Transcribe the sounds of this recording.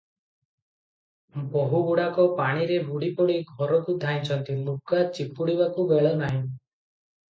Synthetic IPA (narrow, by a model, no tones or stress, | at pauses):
bɔɦubuɽakɔpaɽ̃iɾebuɽipɔɽiɡʱɔɾɔkud̪ʱaj̃t͡ʃʰɔnt̪ilukat͡ʃipːuɽibakubeɭɔnaɦĩ